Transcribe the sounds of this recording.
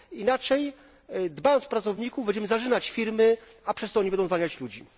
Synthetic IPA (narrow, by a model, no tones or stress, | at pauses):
inat͡ʂɛj | d̪bajɔnsfpɾat̪sɔvɲikuvbɛɲd͡ʑɛmɘzaʐɘnat͡ɕfʲiɾmɘ | apʂɛst̪ɔɔɲiɛnɔ̃w̃zvaɲat͡ɕlud͡ʑi